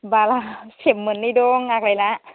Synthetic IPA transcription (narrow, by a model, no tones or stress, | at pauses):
baːlaːt͡ɕʰemːɯnːijdoːŋːaːk̚lajlaʔ